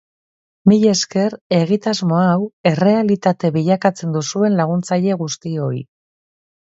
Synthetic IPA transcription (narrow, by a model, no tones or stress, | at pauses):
miʎe̞ske̞ɾe̞ɣit̪azmo̞awe̞re̞alit̪at̪e̞βiʎakat͡se̞nd̪usue̞nlaɣ̞unt͡saʎe̞ɣust̪io̞ḭ